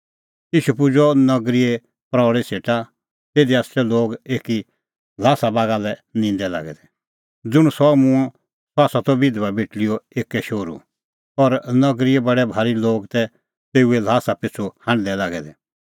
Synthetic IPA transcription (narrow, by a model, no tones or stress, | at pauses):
iːʃupʊd͡ʒɔnɐɡɾie | pɾɔːɽiseːʈa | t̪eːd̪iast͡ʃɛloːɡeːki | laːsabaːɡalɛnĩnd̪ɛla̰ːɡɛ̰d̪ɛ | d͡zʊɽ̃sɔmũɔ̃ | sɔaːsat̪ɔbɪd̪ʋabeʈlijɔeːkːɛʃoːɾṵ | ɔɾnɐɡɾiebɐɽɛbʱaːɾiloːɡt̪ɛ | t̪eːuelaːsapɪt͡sʰuhãːɳd̪ɛlaːɡɛd̪ɛ